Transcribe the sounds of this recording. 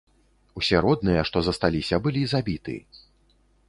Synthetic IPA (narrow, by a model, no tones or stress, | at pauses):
usʲɛɾɔd̪̚nɨjɐʂt̪ɔzɐst̪alʲisʲɐbɨlʲizabʲit̪ɨ̰